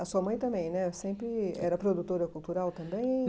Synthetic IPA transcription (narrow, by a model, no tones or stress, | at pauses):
ɐsuɐmɐ̃j̃t̪ɐ̃mbẽj̃nɛsẽmpɾɪɛ̰ɾɐpɾod̪ut̪oɾɐkult̪uɾawt̪ɐ̃mbẽj̃